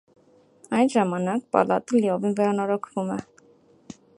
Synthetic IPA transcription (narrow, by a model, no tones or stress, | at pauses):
ɑjnʒɑmɑnɑk̚pɑ̰lɑt̪əliɔvinvɛɾɑnɔɾɔkʰvumɛ